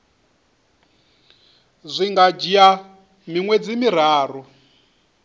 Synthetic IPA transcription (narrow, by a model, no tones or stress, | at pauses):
zʷiŋɡad͡ʒia | miŋwɛd͡zimiɾ̤aːɾu